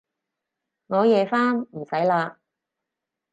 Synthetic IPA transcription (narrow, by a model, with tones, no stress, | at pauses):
ŋɔː˨˧jɛː˨˧faː˥nm̩˨˩sɐ˨˥jlaː˧